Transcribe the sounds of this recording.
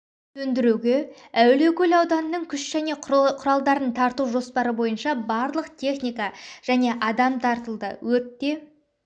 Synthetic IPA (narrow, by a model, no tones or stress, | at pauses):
t̪ʰɵnd̪ɪɾuɡʲe | æwle̞kʲʰɵlɑwd̪ɑnənəɴkʲʰʏʃʒ̥æne̞qʰʊɾɑlˠd̪ɑɾənt̪ʰɑɾt̪uwʒo̞spɑɾəbo̞jənʃɑbɑɾlˠəqt̪ʲʰe̞χnijkɑʒ̥æne̞ʔɑd̪ɑmt̪ʰɑɾt̪əlˠd̪ə̰wɵɾp̚t̪e̞